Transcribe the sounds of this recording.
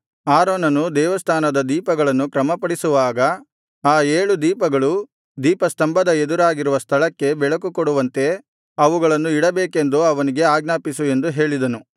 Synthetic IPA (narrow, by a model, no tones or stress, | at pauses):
aːɾoːnɐnud̪ɛːʋɐst̪ʰaːnɐd̪ɐd̪iːpɐɡɐɭɐnːukɾɐmɐpɐɽisuʋaːɡɐ | aːeːɭud̪iːpɐɡɐɭu | d̪iːpɐst̪ɐmbɐd̪ɐed̪uɾaːɡiɾuʋɐst̪ʰɐɭɐkːe̞bɛɭɐk̬ukoɽuʋɐnt̪e̞ | ɐʋuɡɐɭɐnːuiɽɐbeːke̞nd̪uɐʋɐniɡe̞aːɡnaːpisue̞nd̪uɦe̞ːɭid̪ɐnu